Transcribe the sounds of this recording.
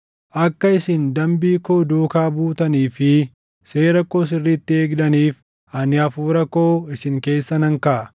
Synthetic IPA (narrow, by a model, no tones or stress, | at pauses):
ʔɐkːɐɪsɪnd̪ɐmbiːkoːd̪uːkaːbuːt̪ɐniːfɪ | seːɾɐkːo̞ːs̬ɪrːiːt̪ːɪeːɡd̪ɐniːf | ɐnɪɐfuːɾɐkːoːɪsɪŋke̞ːsːɐnɐŋkɐʔɐ